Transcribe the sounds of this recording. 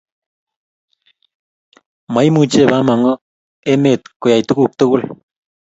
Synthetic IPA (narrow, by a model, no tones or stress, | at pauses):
majmut͡ʃebamaŋə | emet̪kojajt̪ukuk̚t̪ukul